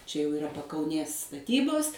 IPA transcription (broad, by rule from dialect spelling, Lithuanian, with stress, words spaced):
t͡ʃʲɛ jɛʊ ɪˈrɐ pɐkɐʊˈnʲeːs stɐˈtʲiːboːs